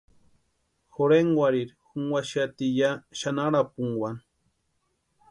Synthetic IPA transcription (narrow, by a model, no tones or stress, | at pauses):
xoɾeŋwaɾiɾxuŋwaʃat̪ijaʃanaɾapuŋwan